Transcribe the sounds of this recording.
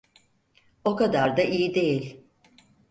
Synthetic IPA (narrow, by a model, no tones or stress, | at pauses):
o̞kad̪aɾd̪aʔijid̪e̞jilʲ